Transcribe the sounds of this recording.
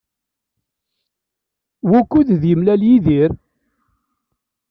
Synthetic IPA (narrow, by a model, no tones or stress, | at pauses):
wukːuððjəmlæljiðiɾ